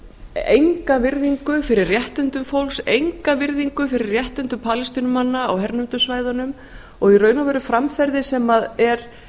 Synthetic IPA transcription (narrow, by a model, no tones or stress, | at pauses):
ejŋkavɪɾðiŋkʏfɪɾɪrrjɛht̪ʏnt̪ʏmfowlsejŋkavɪɾðiŋkʏfɪɾɪɾrjɛht̪ʏnt̪ʏpʰaːlɪst̪inʏmanːa̰ːwhɛɾnʏnt̪ʏsvaːjðanʏm | ɔɣirœːɥnavɛɾʏfɾamfɛɾðɪsɛmaðɛɾ̥